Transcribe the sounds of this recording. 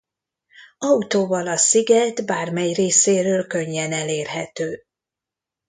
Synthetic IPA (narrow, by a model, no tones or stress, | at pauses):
ɒut̪oːvɒlɒsiɡɛt̪baːrmɛjreːseːɾøːlkø̞ɲːɛnɛleːrɦɛt̪øː